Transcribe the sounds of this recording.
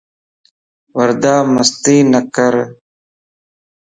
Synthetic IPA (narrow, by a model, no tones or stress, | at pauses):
wɐɾd̪aːmɐst̪iːnɐkəɾ